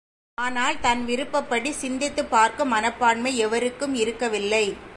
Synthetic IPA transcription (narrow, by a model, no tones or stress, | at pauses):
aːnaːlt̪ɐnʋɪɾɯpːɐpːɐɽisɪnd̪ɪt̪ːɯpːaːɾkɯmɐnɐpːaːɳmɐɪɛʋɐɾɯkːɯmɪɾɯkːɐʋɪlːɐɪ